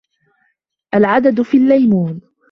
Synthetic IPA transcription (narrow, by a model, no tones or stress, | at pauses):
ʔalʕad̪ad̪fiːlːajmuːn